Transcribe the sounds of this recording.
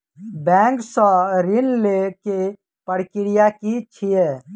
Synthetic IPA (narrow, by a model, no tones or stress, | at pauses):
bɛ̃ŋksə̃ɾinleke | pəɽkiɾijakit͡ʃʰije